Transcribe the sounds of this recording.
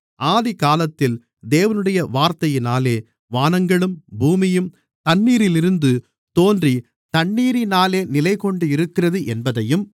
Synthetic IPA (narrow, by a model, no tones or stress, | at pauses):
ʔaːðikaːlɐt̪ːɪl | d̪eːʋɐnɯɽɐjɐʋaːɾt̪ɐjɪnaːleː | ʋaːnɐŋɡɐɭɯmbuːmɪjɯm | t̪ɐɳːiːɾɪlɪɾɯnd̪ɯ | t̪oːndri | t̪ɐɳːiːɾɪnaːleːnɪlɐɪkɔɳɖɯɪɾɯkːɪrɐðɯʔɛnbɐðɐjɯm